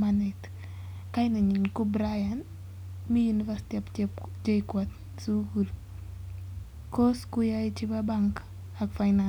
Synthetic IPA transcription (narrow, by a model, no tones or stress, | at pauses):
manɛt | kajinaɲinkubɾajan | mijunivasi̥t̪iapd͡ʒekwat̪ | suɡul | kʰoskujait͡ʃibabaŋk | akfajna